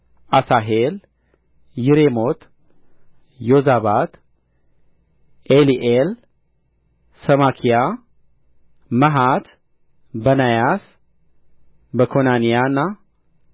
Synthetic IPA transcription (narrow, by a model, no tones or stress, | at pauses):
ʔasaɦel | jiɾemot̪ | jozaβat̪ | ʔeliʔel | səmakʰija | məɦat̪ | bənajas | bəkʰonanijanːa